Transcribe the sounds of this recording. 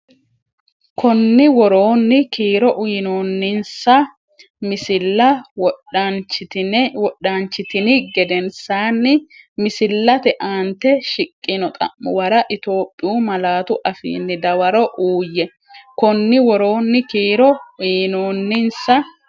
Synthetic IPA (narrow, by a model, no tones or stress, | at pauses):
kʰɔnːɪwɔɾoːnːɪkiːɾɔʔnoːnːɪnsɐ | mɪsɪlːɐwɔt͡ʃɪwɔɗaːnt͡ʃːɪt̪ɪnɪɡɛd̪ɛnsaːnːɪmɪsɪlːɐt̪ɛʔaːnt̪ɛʃɪkʼːɪnɔt̪ʼɐ̰mːʊwɐɾɐʔɪt̪o̞ːpʼːɪjuːmɐlaːt̪ʊʔɐfḭːnːɪd̪ɐwɐɾɔʔuːjːɛ | kɔnːɪwɔɾo̞ːnːɪkiːɾɔiːnoːnːɪnsɐ